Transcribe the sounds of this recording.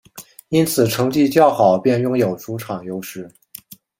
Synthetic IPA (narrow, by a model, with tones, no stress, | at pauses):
i˥nt͡sʰɹ̩˨˩ʈ͡ʂʰɤ˧˥ŋt͡ɕi˥˧t͡ɕjɑ˥˩ʊxɑ˨˩ʊpjɛ˥˧njʊ˥˧ŋjo˨˩ʊʈ͡ʂu˧˥ʈ͡ʂʰɑ˨˩ŋjo˥ʊʂɻ̩˥˩